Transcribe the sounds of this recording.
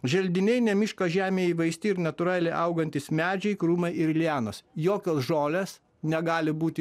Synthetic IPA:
ʒʲɛlʲd̪ʲɪnʲɛɪnʲɛmʲiːʃkɐːʒʲæːmʲeːiːʋɐɪsʲt̪ʲɪɪɾnʲɐt̪ʊɾɑːlʲɛɪʔɐʊɡɐnʲt̪ʲɪsmʲæːd͡ʒʲɛɪkɾuːmɐɪɪɾlʲæːnosjoːkʲoːsʒoːlʲeːs | nʲɛɡɑːlʲɪbuːt̪ʲɪ

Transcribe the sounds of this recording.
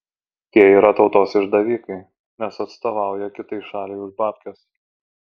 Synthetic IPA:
t̪ʲiɛiːɾɐt̪ɒʊt̪oːsɪʒd̪ɐʋʲiːkɐɪ | nʲɛsɐt̪st̪oːʋɑˑʊjɛkʲɪt̪ɐɪʃɑːlʲɛɪʊʒbɑːpʲkʲɛs

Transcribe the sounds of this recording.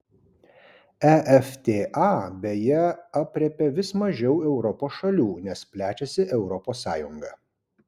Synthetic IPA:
ɛʔɛft̪ʲeːʔɑːbʲejɛɐpʲɾʲɛpʲɛʋʲɪsmɐʒʲɛʊɛʊɾɔpoːsʃɐlʲuːnʲɛspʲlʲæːt͡ʃʲɛsʲɪʔɛʊɾɔpoːsːɑ̰ːjʊŋɡɐː

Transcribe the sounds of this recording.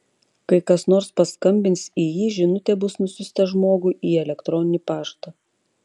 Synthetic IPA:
kɐɪkɐsnoːɾspɐskɐmʲbʲɪnt̪siːjiːʒʲɪnʊt̪ʲɛbʊsnʊsʲʊsʲt̪ɛʒmoːɡuːʔiːɛlʲɛkt̪ɾɔnʲɪnʲipɑːʃt̪ɐ

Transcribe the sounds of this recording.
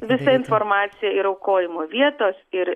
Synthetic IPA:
ʋʲɪsɐɪnfoɾmɑːt̪sʲɪjɛɪɾɐʊkoːjɪmoːʋʲiɛt̪oːsɪɾ

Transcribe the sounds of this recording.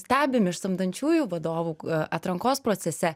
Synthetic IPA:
sʲt̪ʲæːbʲɪmɪʃsɐmd̪ɐnʲt͡ʃʲuːjuːʋɐd̪oːʋuːɐt̪ɾɐŋkoːspɾoːt̪sʲɛsʲɛ

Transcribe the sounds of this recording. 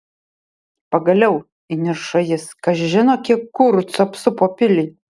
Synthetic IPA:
pɐɡɐlʲɛʊ | ɪnʲɪɾʃɐjɪskɐʃʒʲɪnoːkʲiɛkkːʊɾt͡sɐpsʊpoːpʲɪlʲɪː

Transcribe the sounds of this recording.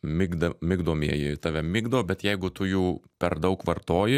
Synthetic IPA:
mʲɪɡd̪ɐmʲɪɡd̪oːmʲḭɛjɪt̪ɑːʋʲɛmʲɪːɡd̪ɐʋbʲɛt̪jɛɪɡʊt̪ʊjuːpʲɛrd̪ɐʊkʋɐrt̪oːjɪ

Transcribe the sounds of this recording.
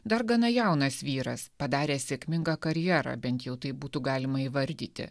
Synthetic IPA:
d̪ɐɾɡɐnɐjɛˑʊnɐsʋʲiːɾɐ̰spɐd̪ɑːɾʲeːsʲeːkʲmʲɪŋɡɑːkɐɾʲjæːɾɑ̰ːbʲɛnt̪jɛʊt̪ɐɪp̚buːt̪uɡɑːlʲɪmɐiːʋɐɾʲd̪ʲiːt̪ʲɪ̰

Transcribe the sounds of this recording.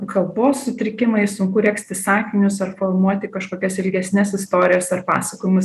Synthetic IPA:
kɐlˠboːsːʊt̪ʲɾʲɪkʲɪmɐɪsʊŋkʊɾʲɛksʲt̪ʲɪsɑːkʲɪnʲʊsɐrfoːlmuɔt̪ʲɪkɐʃkoːkʲɛsɪlʲɡʲɛsʲnʲɛsɪst̪oːɾʲɪjoːsɐrpɑ̰ːsɐkoːjɪmʊs

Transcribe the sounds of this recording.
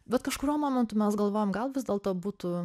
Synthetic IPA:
bʲɛt̪kɐʃkʊɾʲuɔmoːmʲɛnt̪ʊmʲɛsɡɐlˠʋoːjomɡɐlˠʋʲɪzd̪ʲɛːlˠt̪oːbuːt̪ʊ

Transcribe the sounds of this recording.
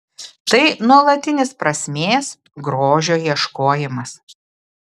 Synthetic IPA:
t̪ɐɪnuɔlˠɐt̪ʲɪnʲɪspɾɐsʲmʲeːs | ɡɾoːʒʲoːjiɛʃkoːjɪmɐs

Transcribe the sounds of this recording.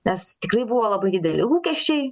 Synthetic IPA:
nʲɛst̪ʲɪkrɐɪbuʋoːlˠɐbɐɪd̪ʲɪːd̪ʲɛlʲɪlˠuːkʲɛʃʲt͡ʃʲɛɪ

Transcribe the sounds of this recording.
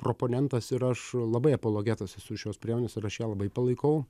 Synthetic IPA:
pɾoːpoːnʲɛnt̪ɐsɪɾɐʃlˠɐbɐɪɐpoːlˠoːɡʲæːt̪ɐsʲɪsʊʃʲoːspʲɾʲiɛmoːnʲeːsɪɾɐʃjæːlˠɐbɐɪpɐlˠɐɪkɐʊ

